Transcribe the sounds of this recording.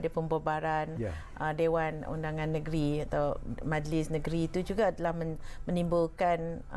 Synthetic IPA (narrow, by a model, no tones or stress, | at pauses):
dəpəmbobaɾan | ʔədewanṵndaŋãnːəɡɾiat̪awmãd͡ʒlɪsnə̃ɡɾiːt̪ud͡ʒuɡaːdalahməmə̃nimbʊlkan